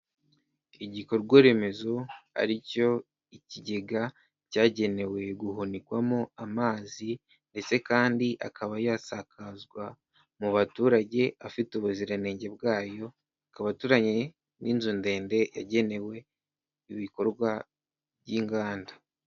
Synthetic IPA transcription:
iɟiko̞ɾɡwoɾe̞me̞zoa̰ɾico̞ | iciɟe̞ɡa | caːɟe̞ne̞we̞ɡuɦunikwamoamaːzi | nde̞t͡se̞kaːndiʔa̰kaβajaːsakazɡwa | muβatuːɾaɟe̞afituβuziɾane̞ːɲɟe̞bɡaːjo̞ | akaβatuːɾaɲe̞ | niːnzunde̞ːnde̞jaɟe̞ne̞we̞ | iβiko̞ɾɡwa | bɟiŋɡaːnda

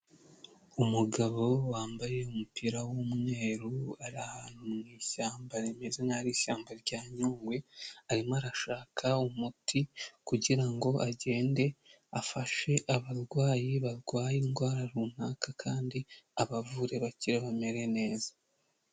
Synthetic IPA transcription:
umuɡaβo̞waːmbaje̞umupiɾawomŋe̞ːɾuaɾahanumumiːçaːmbaɾemezenaɾiːʃaːmbaɾɟaːɲuːŋɡwe̞aɾimoaɾaʃaːkʰaumutʰikuɟiɾaŋɡo̞ʔaɟe̞ːnde̞ | afaʃe̞ʔaβaɾɡwaːjiβaɾɡwaːjinɡwaːɾaɾuːn̥hakakʰaːndiaβavuɾe̞βaciɾeβame̞ɾe̞ne̞ːzḁ

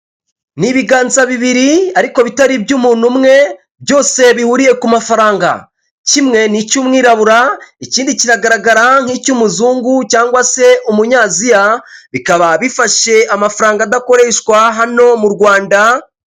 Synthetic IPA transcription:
niβiɡaːnzaβiβiɾiaɾiko̞βitaɾibjuːmuːn̤̥umŋe̞ | bjo̞ːse̞βihuɾije̞kumafaɾaːŋɡa̰ | cimŋe̞nicumŋiːɾaβuɾaiciːndiciɾaɡaɾaɡaɾaŋ̥hiːcuːmuzuːŋɡucaːŋɡwase̞ʔumuɲaːzijaβikaβaβifaʃe̞ʔamafaɾaːŋɡadako̞ɾe̞ːʃkwaɦano̞muɾɡwaːnda

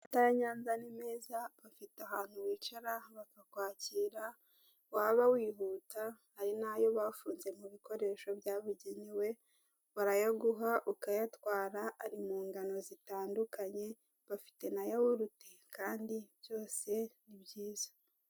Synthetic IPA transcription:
ataɾaɲaːnzanimeːzaβafitaɦaːn̥huwiːt͡ʃaɾaβakakwaːciɾa | waːβawiːɦuːtahːɾinajo̞βaːfuːnze̞muβiko̞ɾe̞ːʃo̞βjaβuɟeɲiwe̞ | waɾajoɡuɦaʔukajatwaːɾaːɾimuːŋɡano̞zitaːndukʰaɲe̞ | βafi̥te̞najawuɾutekʰaːndiβjo̞ːse̞nibɟiːz̥ḁ

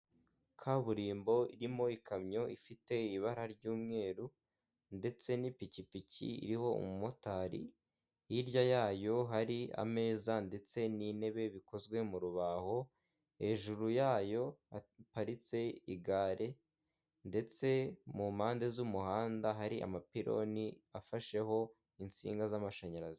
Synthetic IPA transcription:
kʰaβuɾiːmbo̞ḭɾimo̞ikʰamɲo̞ifite̞iβaɾaɾɟuːmŋe̞ːɾu | nde̞t͡se̞nipicipicḭḭɾiho̞ṵmumotaɾḭ | iɾɟajaːjo̞ɦaɾia̰me̞ːzande̞t͡se̞nine̞βe̞βiko̞zwe̞muɾuβaho̞ | he̞ʒuɾujaːjo̞apaɾit͡se̞iɡaːɾʔe̞ | nde̞t͡se̞mumaːnde̞zumuhaːndaɦaɾiʔa̰mapiɾo̞̰niafaʃe̞ho̞ | int͡sḭːŋɡazamaʃaɲaɾazi

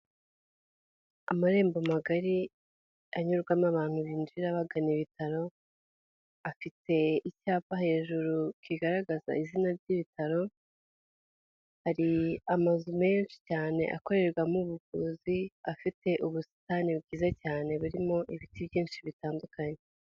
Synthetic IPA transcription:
amaɾe̞ːmbomaɡaɾi | aɲuɾɡwamaβaːn̥huβind͡ʒiɾaβaɡaniβitaɾo̞ | afitʰe̞icaːpaɦe̞ːʒuɾukiɡaɾaɡaza̰izinaɾɟiβitʰaɾo̞ | haɾiamazume̞nʃi̥caːne̞̰ʔa̰ko̞ɾe̞ɾɡwamuβuɡuziafite̞ʔuβusi̥taːnibɡiːzacaːne̞βuɾimo̞ʔiβitibjiːnʃiβitaːndukaɲe

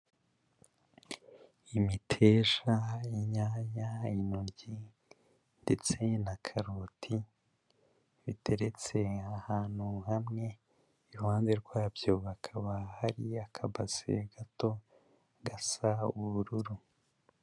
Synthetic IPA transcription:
imitʰe̞ʒaiɲaːɲainunɟi | nde̞t͡se̞nakʰaɾutʰi | βitʰe̞ɾe̞t͡se̞ahaːn̥huhamŋe̞ː | ɾuhaːnzeɾɡwaːbjoβakʰaβahaɾiakʰabaz̥ḛɡato̞ | ɡasauβuɾuɾu

